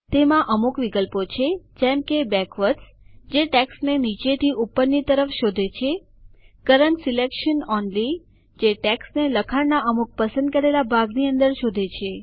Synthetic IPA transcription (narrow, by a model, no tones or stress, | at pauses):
t̪emãʔəmukʋikəlpot͡ʃʰed͡ʒɛmkebɛkʋəʈs | d͡ʒeʈɛksnenit͡ʃet̪ʰiʔupːənːit̪əɾəfʃod̪ʱet͡ʃʰe | kəɾəɳʈsilekʃənɔnli | d͡ʒeʈɛksneləkʰaɽnaʔəmuk̚pəsə̃nd̪̚kəɾelabʱaɡniə̃nd̪əɾʃod̪ʱet͡ʃʰe